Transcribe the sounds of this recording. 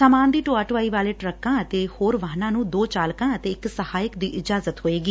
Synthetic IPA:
saːmaːnd̪iːʈoːaːʈʋaːiːʋaːleːʈɾəkːãːət̪eːhoːɾʋaɦnãːnũːd̪oːt͡ʃaːlkãːət̪eːɪksəhaːjɪkd̪iːʔɪd͡ʒaːzət̪ɦoːeːɡiː

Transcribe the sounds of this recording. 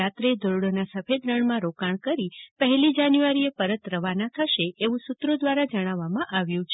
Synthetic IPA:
at̪ɾed̪oɾɽonasəfʰed̪ɾəɳmãɾokaɳ̃kəɾipəɦɛlid͡ʒanjuʋaɾiepəɾət̪ɾəʋanat̪ʰaʃeʔeʋũsut̪ɾod̪ʋaɾad͡ʒəɽ̃aʋːamãʔaʋjũt͡ʃʰ

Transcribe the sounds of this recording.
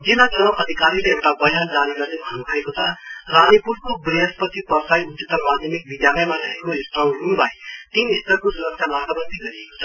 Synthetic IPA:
d͡zilat͡sʌʔʌd̪ʱikaɾileewʈabʌjand͡zaniɡʌrnebʱʌnubʰʱʌekot͡sʰʌranipuɾkobriɦʌspʌt̪ipʌrsajut̪set̪ːʌmad̪ʱjʌmik̚bid̪jalʌjmanʌekoisʈʌɦunbʱaet̪inist̪ʌrkosuɾʌksʰanatʌbʌnt̪iɡʌɾiekot͡sʰʌ

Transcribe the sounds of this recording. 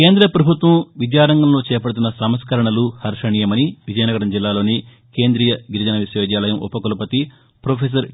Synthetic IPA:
ke̞ːnd̪ɾɐpɾɐbʱut̪ʋɐmʋit͡ʃjaːɾɐŋɡɐmloːt͡ʃɛːpɐɽut̪̬unːɐsɐmɐskɐɾɐɳɐluhɐɾʂɐɳiːjɐmɐniʋid͡ʒɐjɐnɐɡɐɽɐmd͡ʒilːaːlo̞ːni | ke̞ːnd̪ɾijɐɡiɾid͡ʒɐnɐʋisjoːd̪jaːlɐjɐmʔṵpɐkulɐpɐt̪i | pɾoːpʰeːs̬ɐɾ

